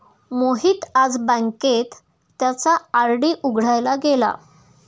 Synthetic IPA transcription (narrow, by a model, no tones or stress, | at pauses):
moɦiːt̪ad͡zbãŋket̪ː | jat͡saːɾɖiːʔuɡʱɽ̤ajlaɡela̰